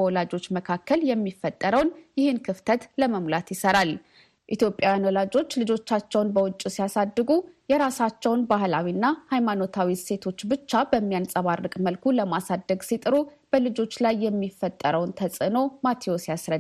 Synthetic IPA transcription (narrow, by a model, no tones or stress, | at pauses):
wɔlad͡ʒo̞t͡ʃːməkʰakʰːəljɛmːifːət̪ʼːəɾəwnjɪhɨnkʰɨft̪ʰət̪ləməmlat̪jɪsəɾal | ʔit̪jo̞pʼːjawjanwɔlad͡ʒo̞t͡ʃːlɨd͡ʒo̞t͡ʃːat͡ʃːɛwnbəwʊt͡ʃʼːusijasad̪ːɨɡujɛɾasat͡ʃːɛwnbaɦlawinːahajmano̞t̪ʰawise̞t̪ʰo̞t͡ʃːbɨt͡ʃːabəmːijansʼəβarːɨkʼməlkʰuləmasad̪ːəɡsit̪ʼɨɾu | b̥əlɨd͡ʒo̞t͡ʃːlajːɛmːifːət̪ʼːəɾəwnt̪ʰəsʼɨno̞mat̪ʰio̞sijasɾə